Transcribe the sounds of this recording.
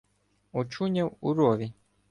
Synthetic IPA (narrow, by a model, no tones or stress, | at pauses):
ɔt͡ʃuɲʲɐwṵɾɔʋʲi